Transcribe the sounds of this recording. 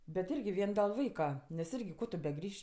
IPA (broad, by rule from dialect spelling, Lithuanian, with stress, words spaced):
bʲɛt ˈɪrʲɡʲɪ ˈʋʲiɛn dʲɛlˠ ˈʋɐɪkɐ nʲɛs ˈɪrʲɡʲɪ koː tʊ bʲɛˈɡrʲiːʃʲ